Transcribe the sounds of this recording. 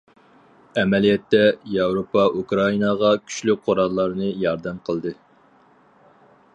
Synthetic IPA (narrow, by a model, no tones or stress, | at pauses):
ɛmɛlijɛt̪ːɛjɑwɾopɑʔukɾɑinɑʁɑkʲʰy̥ʃlyqʰoɾɑlˠːɑɾnɨjɑɾd̪ɛmqʰəlˠd̪ɨ